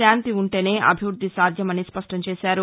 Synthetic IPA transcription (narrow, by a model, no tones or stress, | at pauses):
aːnt̪iuɳʈe̞ːne̞ːʔɐ̰bʱiʋɾud̪ʱːisaːd̪ʱjɐmɐnːispɐʂʈɐmt͡ʃeːʃaːɾu